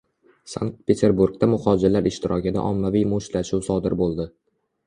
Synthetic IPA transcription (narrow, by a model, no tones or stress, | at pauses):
sa̰ŋk̚t̪̚pʰe̞t̪ʰe̞ɾbuɾɡt̪amʊχɒd͡ʒɪɾlaɾɪʃt̪ɪɾʔɒkʲɪd̪a̰ʔɒmːavijmʊʃlaʃuwsɒd̪ɪɾbolˠd̪ɪ